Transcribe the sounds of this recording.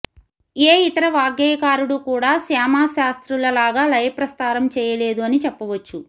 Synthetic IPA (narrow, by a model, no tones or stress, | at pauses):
eːit̪ɐɾɐʋaːɡjɐːjkaːɾuɽukuːɽaːsaːmaːʃaːst̪ɾulɐlaːɡaːlɐjpɾɐst̪aːɾɐmt͡ʃɛːjɐleːd̪uɐnit͡ʃɛpːɐʋɐt͡ʃːu